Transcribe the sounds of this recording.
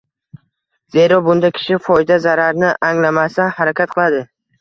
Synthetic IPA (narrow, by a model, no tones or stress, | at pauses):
ze̞ɾɒbʊnd̪akʲʰɪ̥ʃɪfɒjɪd̪azaɾaɾnɪʔaŋlamasahaɾakʲʰat̪̚qʰɨlˠad̪ɪ